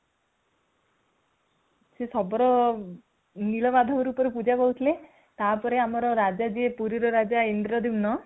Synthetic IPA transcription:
sesɔbɔɾɔ | nilɔbad̪ʱɔkɔɾupɔɾupud͡ʒabɔɦut̪ʰile | t̪apɔɾeamɔɾɔɾad͡ʒad͡ʒiepuɾiɾɔɾad͡ʒaind̪ɾɔd̪imnɔ

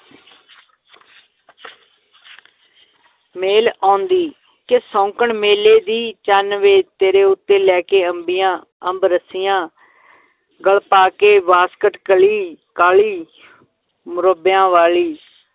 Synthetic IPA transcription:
meːlãːnd̪iː | kɪsɔ̃ːŋkəɳmeːleːd̪iːt͡ʃaːnʋeːt̪eːɾeːʊt̪ːeːlɛːkeːəmbɪjãː | əmbɾəsɪjãː | ɡəɭpaːkeːʋaːskəʈkəliːkaːliː | mʊɾəbjãːʋaːliː

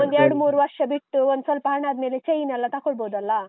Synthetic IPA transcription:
ond̪eɾɽmuːɾʋɐɾʂɐbiʈʈuʋond̪sɐlpaɳad̪melet͡ʃejinɛlːat̪akoɭbod̪ɐlːa

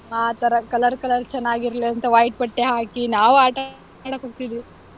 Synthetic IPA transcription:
aːt̪ɐɾɐkɐlɐɾkɐlɐɾt͡ʃɛnːaːɡiɾɐliɐnt̪ɐʋaːjʈ̚pɐʈːeɦaːkinaːʋuaːʈɐ | aɽɐkoːɡ̚t̪id̪i

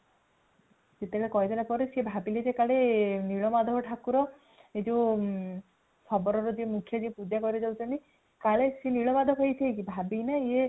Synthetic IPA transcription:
set̪eɭekɔjd̪ɔlapɔɾesiebʱabiled͡ʒekaɭeniɭɔmad̪ʱɔɔʈʰakuɾɔ | ed͡ʒo | sɔbɔɾɔɾɔd͡ʒimukʰjɔd͡ʒipud͡ʒakɔɾiɔd͡ʒawt͡ʃʰɔɳʈi | kaɭeseniɭɔmad̪ʱɔkʰɔjt̪ʰijkibʱabinaie

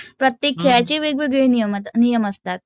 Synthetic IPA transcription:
pɾət̪jekʰːɭat͡ɕeʋeɡʋeɡeniəmnijəməst̪at̪̚

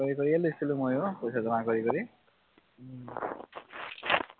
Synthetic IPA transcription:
ʌɾikʌɾielesilumojokojsʰad͡zʌmakʌɾikʌɾi

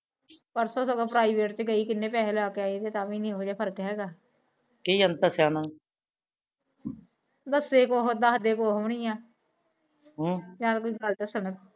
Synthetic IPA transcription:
pəɾsoːsəɡaːpɾaːiːʋeːʈt͡ʃɡəiːkɪnːeːpɛːɦlaːkeːaːid̪eːt̪aːʋiːnĩːɦoːd͡ʒaːpʰəɾkɦɛːɡaː | kiːənəsjaːnaː | d̪əsːeːkoːɦoːd̪aːɦəɖeːkoːɦəmɳiːãː | ɦõːjãːt̪koːiːɡəlt͡ʃəsəɳət̪

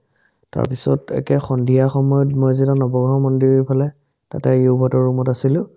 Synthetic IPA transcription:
ta̰ɹpisɔ̰tɛ̰kɛxɔndʱijaxɔmɔjɔtmɔjzitanɔbɔɡɹɔmɔndiɹipʰalɛ | ta̰tɛiubʱɔtɔɹumɔtasilʊ̃

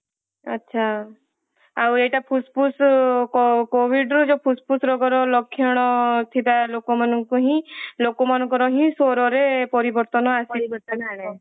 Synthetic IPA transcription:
ə̰tːʃʰa | aweʈapʰuspuskɔkoʋiɖɾud͡ʒopʰuspusɾɔɡɔɾɔlɔkʰːjɔɽ̃ɔt̪ʰit̪alokomanũŋkoɦĩlokomanɔ̃kɔɾɔɦĩsoɾɔɾepɔɾibɔɾt̪ɔnɔasit̪aane

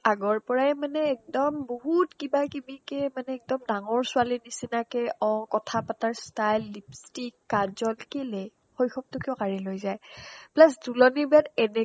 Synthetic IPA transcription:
aɡɔɹpɔɹajmanɛːk̚dɔmboɦutkibakibikɛmanɛɛk̚dɔmdaŋɔɹsʊalinisinakɛʔɔŋkɔtʰapataɹstajlːipstikːaɹzɔlkile | xojxɔp̚tʊkiɔkaɹilojzajplas̬dulɔnibiatɛnɛ

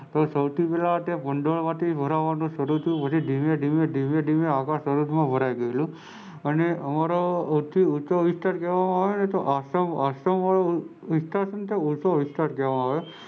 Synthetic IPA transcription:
t̪osəwt̪ʰipɛlat̪epəɳɖoɭmãt̪ʰibʱəɾaʋanũʃəɾut̪ʰəjũpət͡ʃʰiɖʱimeɖimeɖʱimeɖʱimeakãsəɾud̪mãbʱəɾaiɡəelũ | əneəmaɾout̪ʰːiusoʋɪsʈ̪aɾkɛʋamãːʋjonet̪oʔasəmasəmʋao | ʋisʈ̪aɾsənt̪eusoʋɪsʈ̪aɾkɛʋamãːʋjo

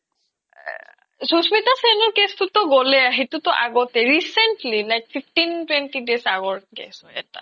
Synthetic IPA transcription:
susmit̪asenɔɹkest̪ut̪ɔɡɔlɛaɦit̪ut̪ɔʔa̰ɡɔt̪eɹisenʈlilajkfʰifʈintwẽnʈiɖesaɡɔɹkḛsɔɛ̰ta̰

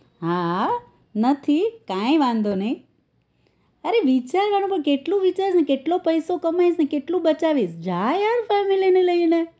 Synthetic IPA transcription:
ɦa | nət̪ʰikãĩʋãnd̪onəĩ | əɾeʋit͡ʃaɾʋaɽ̃ũpəɳkeʈlũʋit͡ʃaɾisnekeʈlopəjsokəmajsnekeʈlũbət͡ʃaʋisd͡ʒajaɾfɛmilineləine

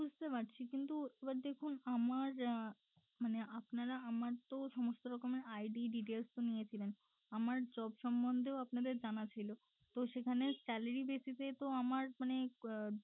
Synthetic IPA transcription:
bud͡ʑʱt̪epaʈt͡ɕʰikint̪uebaɾd̪ekʰunamaɾ | maneʔapnaɾaamaɾt̪oʃɔmost̪oɾɔkomeɾajɖiɖiʈelst̪onijet͡ɕʰilen | amaɾd͡ʑɔbʃɔmbond̪ʱeoapnad̪eɾd͡ʑanat͡ɕʰajlo | t̪oʃekʰanesʈɛleɾibesit̪et̪oamaɾmane

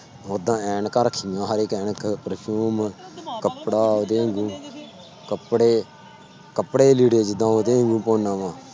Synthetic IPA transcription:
oːd̪ãːɛːɳkəɾkʰɪjãːɦəɾeːkɛːɳkʰpəɾpʰuːmkəpɽaːoːd̪eːŋɡũː | kəpɽeː | kəpːɽeːliːɽeːd͡ʒɪd̪ãːoːd̪eːŋɡũːpoːnãːʋãː

